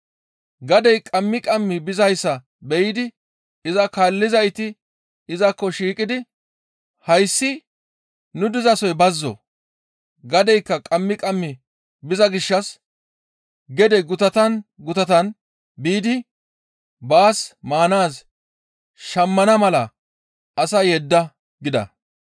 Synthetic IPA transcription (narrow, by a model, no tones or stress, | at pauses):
ɡɐd̪ɛjkʼɐmːɪkʼɐmːɪbɪzɐjsːɐ | bɛjɪd̪ɪ | ɪzɐkaːlːɪzɐjt̪ɪ | ɪzɐkːɔʃiːkʼɪd̪ɪ | hɐjsːɪ | nʊd̪ɪzɐsɔjbɐzːɔ̰ | ɡɐd̪ɛjkːɐkʼɐmːɪkʼɐmːɪ | bɪzɐɡɪʃːɐs | ɡɛd̪ɛɡʊt̪ɐt̪ɐnɡʊt̪ɐt̪ɐn | biːd̪ɪ | baːsmaːnaːs | ʃɐmːɐnɐmɐlɐ | ɐsɐjɛd̪ːɐ | ɡɪd̪ɐ̰